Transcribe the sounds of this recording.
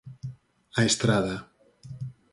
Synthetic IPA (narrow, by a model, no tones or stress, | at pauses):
aest̪ɾaða